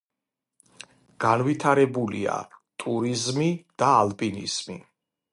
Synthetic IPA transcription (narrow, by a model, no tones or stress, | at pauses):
ɡ̥anvit̪ʰaɾɛbulia̰t̪ʼuɾizmid̪̥aːlˠpʼinḭz̥mḭ